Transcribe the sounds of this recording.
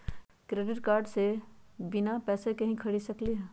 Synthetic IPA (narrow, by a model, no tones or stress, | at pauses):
kɾeːɖɪʈkaːɾɖsebɪnapɛːsekɐɦĩkʰɐɽisɐkliɦɛ̃ː